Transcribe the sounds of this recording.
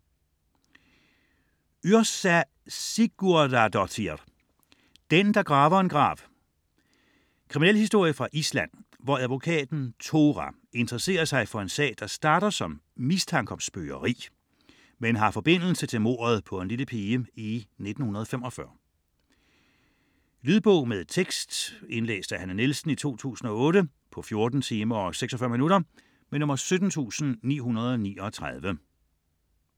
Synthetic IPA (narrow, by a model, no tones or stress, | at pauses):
yɐsæ | siɡ̥uɐdæd̥ɒt͡sʰi̥ | d̥end̥ɑ̈ɡ̥ʁɑ̈ːʋɐe̝nɡ̥ʁɑ̰̈ːʋ | kʰʁiminelhisd̥o̝ɐ̰jəfʁɑ̈ʔislæn̰ | ʋɒæðˠʋo̝kʰɛ̰ːd̥n̩t͡sʰo̝ʁæ | e̝nd̥ʁɐse̝̰ːɐsɑ̈ɪfɒ̽e̝nsɛ̰ːd̥ɑ̈sd̥ɑ̈ːɾ̥ɐsɒ̽m | mist͡sʰɑ̈ŋɡ̥ɒmsb̥øːɐʁḭː | menɦɑ̈fɒ̽b̥e̝n̰l̩sət͡sʰe̝lmo̝̰ːɐð̞̩ˠpʰɒ̽e̝nliləpʰiːəine̝d̥n̩hunɐð̞̩ˠɒfemɒ̽fɶɐ | lyðˠb̥ɔʊ̰meðt͡sʰeɡ̥sd̥e̝nlḛːsd̥æhænənilsn̩it͡sʰo̝̰ːt͡sʰṵːsn̩ɒ̽ɔ̽ːɾə | pʰɒ̽fjo̝ɐd̥n̩t͡sʰiːmɐɒ̽seɡ̥sɒfɶɐ̰minuɾɐ | menɔ̽mɐsød̥n̩t͡sʰṵːsn̩nḭːɦunɐð̞ˠɒ̽nḭːɒ̽t͡sʰʁaðˠʋə